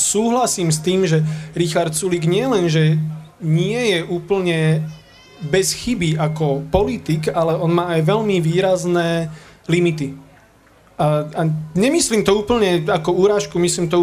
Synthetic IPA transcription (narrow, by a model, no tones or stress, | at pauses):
suːɦlasiːmst̪iːmʒɛɾixaɾt̪suliɡɲɪɛlɛnʒɛɲɪɛjɛʔuːpl̩ɲɛ | bɛsxibiʔakɔpɔlit̪iɡalɛɔnmaːajʋɛʎmiʋiːɾaznɛːlimit̪i | aaɲɛmisliːmt̪ɔuːpl̩ɲɛakɔuːɾaːʃkumisliːmt̪ɔ